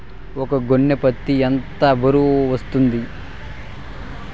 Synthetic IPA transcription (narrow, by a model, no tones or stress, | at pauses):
ɔkɐɡoɳːepɐt̪ːient̪ɐbɐɾuʋɐst̪und̪i